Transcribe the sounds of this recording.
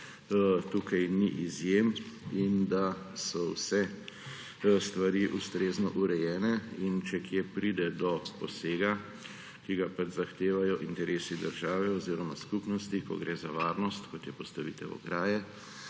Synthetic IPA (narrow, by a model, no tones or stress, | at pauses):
t̪uːkajniʔizjem | ind̪a | sɔwsɛ | st̪ʋaɾiʔust̪ɾeːznɔʔuɾɛjɛːnɛint͡ʃɛkjepɾid̪ɛd̪ɔpɔseːɡa | kiɡapat͡ʃzaxt̪eːʋajɔʔint̪ɛɾeːsid̪əɾʒaːʋɛɔziːɾɔmaskupnɔst̪ikɔ̰ɡɾʔeːzaʋaːɾnɔst̪kɔt̪jɛpɔst̪aʋit̪ɛwɔ̰ɡɾaːjɛ